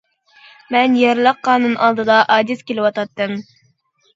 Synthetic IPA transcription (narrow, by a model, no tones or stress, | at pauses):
mɛnjɛɾlˠɑqːɑːnɨnʔɑlˠd̪ɨd̪ɑʔɑːd̪iskʲelɪwɑt̪ɑt̪ːɨm